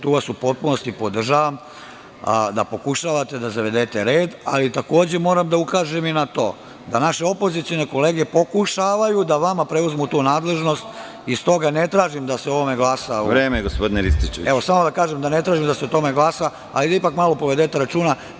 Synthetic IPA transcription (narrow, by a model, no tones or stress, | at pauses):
t̪uːʋasupo̞t̪̚puno̞st̪ipo̞d̪r̩ʒaːʋam | d̪a̰po̞kuʃaːʋat̪e̞d̪azaʋed̪eːt̪e̞ɾeːd̪a̰lit̪ako̞ːd͡ʑe̞mo̞ːɾamd̪aukaːʒeminat̪o̞ː | d̪anaʃeopo̞zit̪sio̞ne̞ko̞leːɡepo̞kuʃaːʋajud̪aʋamapɾe̞uzmut̪uːnaːd̪le̞ʒno̞st̪ | ist̪o̞ɡanet̪ɾaːʒimd̪aseo̞ʋo̞me̞ɡlˠaːsauɾeːmeɡospod̪ineɾist̪it͡ʃeʋieʋosamod̪akaːʒemd̪anet̪ɾaːʒimd̪aseot̪o̞meɡlaːsa | a̰lid̪aipakmalo̞poʋed̪et̪e̞ɾat͡ʃuːna